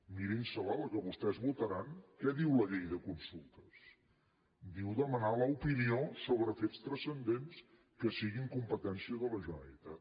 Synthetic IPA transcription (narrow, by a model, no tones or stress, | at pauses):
miɾinsəlɔləkəβust̪ɛzβut̪əɾaŋkɛðiwləʎejðəkunsulˠt̪əs | d̪iwðəmənaləupiniosoβɾəfest̪ɾəsənd̪ens | kəsiɣiŋkumpət̪ɛnsiəðələʒunɛ̰t̪ə